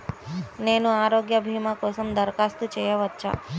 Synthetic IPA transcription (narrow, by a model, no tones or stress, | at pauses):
nenũaːɾoɡjəbʱimakosəmd̪əɾkast̪ut͡ʃejəʋətːt͡ʃʰa̰